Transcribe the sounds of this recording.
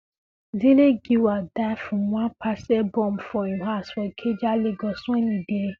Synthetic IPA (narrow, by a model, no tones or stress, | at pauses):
zileɡiwadafũmũãpʰasɛbɔ̃mfɔiɦasfɔkʰed͡ʒaleɡɔsũenĩde